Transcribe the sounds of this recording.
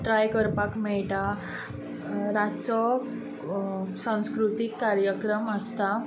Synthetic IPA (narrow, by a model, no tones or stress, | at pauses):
ʈɾajkəɾpakmɛɭʈa | ɾat͡sɔ | sãw̃skɾut̪ikːaɾjəkɾəməst̪a